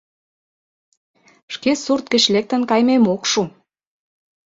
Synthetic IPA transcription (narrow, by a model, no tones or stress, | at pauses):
ʃkesurt̪̚kə̆t͡ɕlek̚t̪ə̆nkɑjmemokʃu